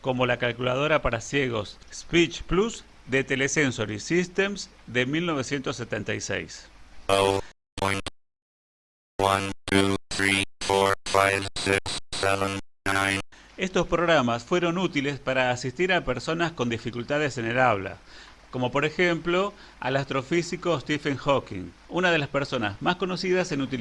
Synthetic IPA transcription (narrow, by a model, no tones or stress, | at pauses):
ko̞mo̞lakalkulað̞o̞ɾapaɾasjeɣ̞o̞sspit͡ʃplus | d̪et̪elesensoɾisist̪emsd̪emilno̞β̞e̞sje̞nt̪o̞sːet̪ent̪ajsḛjso | pãjn | wãntʰuθɹifɔɹfajvsɪksːɛvə̃nnãjnest̪o̞spɾo̞ɣɾamasfwe̞ɾo̞nut̪ilespaɾaːsist̪iɾapeɾso̞nasko̞nd̪ifikult̪aðesenelaβla̰ | ko̞mo̞po̞ɾexemplo̞ | a̰last̪ɾo̞fisiko̞st̪ifeŋxokḭŋ | unaðe̞laspeɾso̞na̰zmasko̞no̞siðasenut̪i